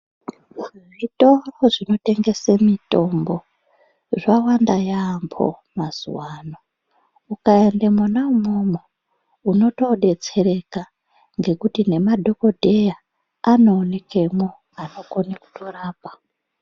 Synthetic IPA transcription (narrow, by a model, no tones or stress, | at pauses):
ʐitoroʐino̞te̞ŋɡe̞semito̞mbo̞ | ʐawandajaːmpʰo̞̰maz̥ṵwaːno | ukaendemunaumomo | uno̞to̞ɗe̞t͡se̞ɾe̞ka | ŋɡe̞kutine̞madʱo̞ko̞dʱeja | ano̞ːne̞kemo | ano̞ko̞neku̥to̞raːpa